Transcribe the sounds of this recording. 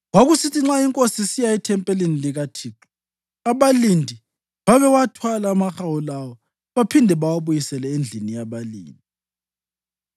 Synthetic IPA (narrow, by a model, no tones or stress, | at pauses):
waɣusitʰiŋ͡ǁaiŋkʼosisijaitʰɛmpʼɛleniliɣatʰiːǁi̥ | aβalindʱi | βaβɛwatʰwalaːmaxawulawɔ | βapʰindʱɛβawaβujisɛlɛend͡ɮʱinijaβalḭːndʱi